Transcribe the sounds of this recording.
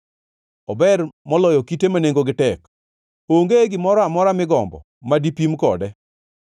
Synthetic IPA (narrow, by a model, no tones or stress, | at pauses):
ɔbɛrmɔlɔjɔkitemaneŋɡoɡɪtɛk | oŋɡeɡɪmɔɾɔamɔɾamɪɡɔmbɔ̰ | madipimkɔ̰dɛ